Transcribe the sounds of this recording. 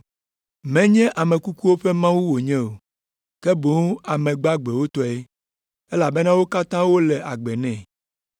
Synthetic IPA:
mɛ̃˦ɲɛ̃˦ʔa˨mɛ̃˨ku˦ku˦wo˦ɸe˦mã˦wu˦wo˨ɲɛ̃˦o˨ | kɛ˦bo˨˦a˨mɛ̃˨ɡ͡ba˦ɡ͡bɛ˨wo˦t̪ɔ˦ɛ˦ | e˦la˨be˦nã˦wo˦ka˦t̪ã˦wo˦lɛ˨ʔa˨ɡ͡bɛ˨nɛ̃˦˨

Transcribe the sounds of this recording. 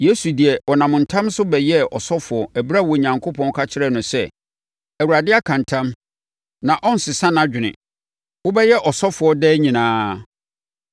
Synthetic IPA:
je˦su˨di˨ɛ˨ɔ˨nã˨mʊ̃˨n̩˨tʰã˦msʊ˦bɛ˨jɛ˦ɔ˨sɔ˦fʊ˨ɔ˨ʔæ˨bɾa˦˨wɔ˨ɲã˨ŋkʰo˦pʰɔ̃˦n˦kʰa˦t͡ɕʰɪ˦ɾɛ˦˨nʊ̃˨sɛ˦ | æ˨wu˨ɾa˨dɪ˦a˦kʰã˨ntʰã˦m | nã˨ʔɔ˦n̩˨sɪ˨sã˦nã˦d͡ʑᶣɪ˨nɪ̰̃˨ | wʊ˦bɛ˦jɛ˦ʔɔ˨sɔ˦fʊ˨ɔ˦dɛː˦ɲĩ˨nãː˦

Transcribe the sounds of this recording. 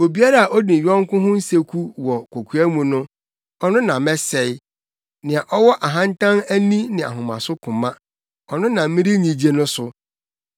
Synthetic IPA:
o˨bi˦a˦ɾa˨a˨ʔɔ˦dĩ˨ɥɔ̃˦ŋ˦kʊ̃˦ɦʊ̃˦n̩˦se˦kʰu˦wɔ˨kʷʰo˨kʰu˨˦æ˦mũ˨nʊ̃˦ | ɔ˦nʊ̃˦nã˨˦mɛ˦sɛ˨j | nɪ̃˨a˨ʔɔ˦wɔ˦ʔa˨ɦã˦ntʰã˦næ˦nĩ˦nɪ̃˨a̰˨ɦʊ̃˨mã̰˨sʊ˦kʰʊ̃˨mã˦ | ɔ˨nʊ̃˦nã˨m˦mɪ̃˦ɾi˦ɲĩ˨d͡ʑe˦nʊ̃˦sʊ˦

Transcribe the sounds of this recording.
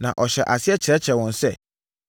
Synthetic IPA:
nã˨ʔɔ˨ɕɛ˨ʔa˨si˦ɛ˦t͡ɕʰɾɛ˦t͡ɕʰɾɛ˨wɔ̃˨n˨sɛ˦˨

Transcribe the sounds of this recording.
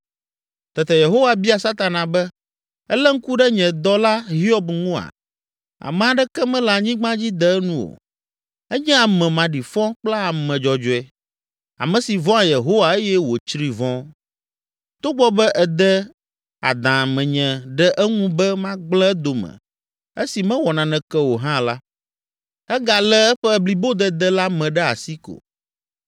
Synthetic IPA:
t̪ɛ˨t̪ɛ˨je˨ɦo˦wa˨bi˦a˨sa˦t̪a˨nã˨bɛ˦ | ɛ˦lɛ˦ŋ̩˦ku˦ɖɛ˦ɲɛ̃˨d̪ɔ˦la˦ɦi˦ɔ˦bŋũ˦a̰˨ | a̰˨mɛ̃˨a˨ɖɛ˦kɛ˦mɛ̃˦la˨ɲĩ˦ɡ͡bã˦d͡ʑi˦d̪ɛ˦nũ˦wo̰˨ | ɛ˦ɲɛ̃˦a˨mɛ̃˨mã˨ɖi˨fɔ̃˦k͡pla˦a˨mɛ̃˨d͡ʒɔ˨d͡ʒɔ˨ɛ˨ | a̰˨mɛ̃˨si˨vɔ̃˦a˨je˨ɦo˦wa˨e˦jɛ˦wo˨t͡ʃɾi˨vɔ̃˦ | t̪o˦ɡ͡bɔ˦bɛ˦ʔɛ˨d̪ɛ˦ | a̰˨d̪ã˨mɛ̃˨ɲɛ̃˨ɖɛ˦ʔɛ˦ŋũ˦bɛ˦mã˦ɡ͡blɛ˦d̪o˨mɛ̰̃˨ | e˦si˨mɛ̃˦wɔ˨nã˨nɛ̃˨kɛ˦wo˨ɦã˦la˦ | ɛ˦ɡa˨lɛ˦ɛ˦ɸɛ˦˨bli˨bo˦d̪ɛ˦d̪ɛ˦la˦mɛ̃˨ɖɛ˦a̰˨si˦ko̰˨

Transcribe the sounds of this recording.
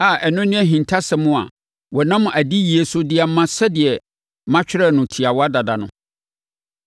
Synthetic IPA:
a˨ʔɛ˨nʊ̃˦nɪ̃˦æ˦ɦĩ˨ntʰa˦sɛ˨mʊ̃˦a̰˨ | wɔ˨nã˦mʊ̃˨ʔæ˨di˦je˨sʊ˦dɪ˦a˨m˦mã˦sɛ˦dɪ˨ɛ˨ | mã˦t͡ɕᶣɪ˦ɾɛ˦nʊ̃˨tʰi˨a˨wɔ˦a˦da˨da˨nʊ̰̃˨

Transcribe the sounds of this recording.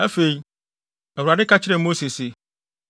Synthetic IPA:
æ˦fe˨i˦ | ɛ˨wu˨a˨dɪ˦kʰa˦t͡ɕʰɪ˦ɾɛ˨mo˦se˨se˨

